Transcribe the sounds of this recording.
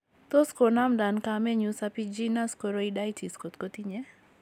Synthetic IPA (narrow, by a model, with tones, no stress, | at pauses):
t̪o˦sko˨na˦mda˨nkamɛ˦ɲu˦sapid͡ʒi˦na˦sko˨ɾo˦ida˦jtʰi˨sko˨t̪ko˦t̪i˦ɲɛ˦